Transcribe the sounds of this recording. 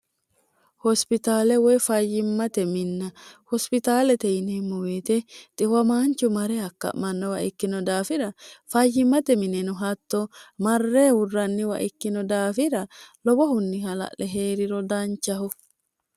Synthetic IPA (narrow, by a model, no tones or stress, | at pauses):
hɔspɪt̪aːlɛwɔjfɐjɪmːɐt̪ɛmɪnːɐhɔspɪt̪aːlɛt̪ɛjnemːɔweːt̪ɛt̪ʼɪwɐmaːnt͡ʃːʊmɐɾɛɐkːɐ̰ʔmɐnːɔwɐʔɪkːɪnɔd̪aːfɪɾɐfɐjːɪmːɐt̪ɛmɪnɛnʊɦɐt̪ːɔmɐrːeːwʊrːɐnːɪwɐ̰ʔɪkːɪnɔd̪aːfɪɾɐlɔbɔhʊnːɪhɐlɐ̰ʔlɛɦeːɾɪɾɔd̪ɐnt͡ʃːɐɦɔ